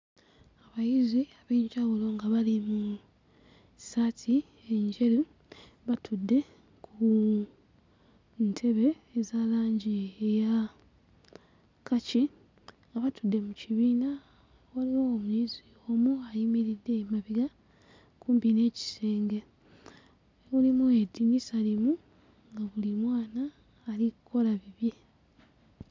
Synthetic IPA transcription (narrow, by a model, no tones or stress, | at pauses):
aβajiziaβeːɲɟawulo̞ŋɡaβalimu | satʰi | eɲɟe̞ɾu | βatʰudːe̞ | kʰu | ntʰe̞βe̞ː | zaːlaːɲɟieja | kʰaci | ŋɡaβatudːe̞muciβiːna | waliwoːmuizi | oːmuajimiɾidːe̞maβiɡa | kuːmbine̞ːci̥seːŋɡe̞ | βulimuedinisalimu | ŋɡaβulimwaːnaː | likuko̞laβiβje̞